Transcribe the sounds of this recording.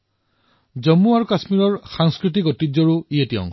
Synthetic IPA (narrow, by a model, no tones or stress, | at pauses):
d͡ʒɔmːuaɹukasmiɹɔɹxaŋskɹit̬ikɔtizɔɹuijetijɔ̰ŋ